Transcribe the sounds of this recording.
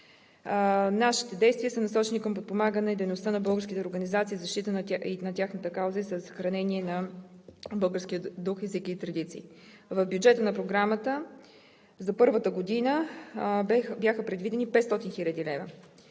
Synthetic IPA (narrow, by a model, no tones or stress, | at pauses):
naʃi̥t̪ɛd̪ɛjst̪vʲiəsənɐsɔt͡ʃɛnikəmpot̪̚pomaɡənɛid̪ɛjnost̪ənɐbɤlˠɡəɾskʲit̪ɛoɾɡənizat̪siːzɐʃt̪it̪ənnɐt̪ʲjaxnət̪əkawzəisəsːə̥xɾɐnɛniɛnɐ | bɤlˠɡəɾskʲiəd̪uxɛzikiːt̪ɾɐd̪it̪sḭː | vəvbjud͡ʒɛt̪ənɐpɾoɡɾamət̪ə | zɐpɤɾvət̪əɡod̪inə | bjaxəpɾɛd̪vid̪ɛnipɛt̪st̪ɔt̪inxilʲəd̪ilɛvə